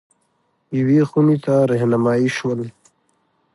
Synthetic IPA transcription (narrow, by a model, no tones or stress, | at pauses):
iwixunit̪aɾeɦnamaːiʃuəll